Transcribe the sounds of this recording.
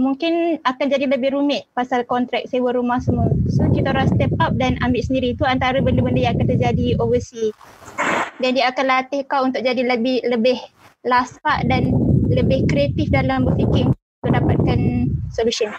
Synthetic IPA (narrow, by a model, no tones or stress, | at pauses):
muŋkɪnakand͡ʒadiləbɪhɾumɪʔ̪̚pasalkɔnt̪ɾɛk̚sewəɾumahsəmusokit̪oɾast̪ɛp̚ap̚danambɪʔsəndiɾit̪uant̪aɾabəndəbəndəjãakant̪ərd͡ʒadiovəsi | dandiəakanlat̪ɪhkawunt̪ʊk̚d͡ʒadiləbɪhləbɪh | laspaʔdanləbɪhkɾiat̪ɪfdalambəfikɪŋut̪uʔdapat̪̚kansolusən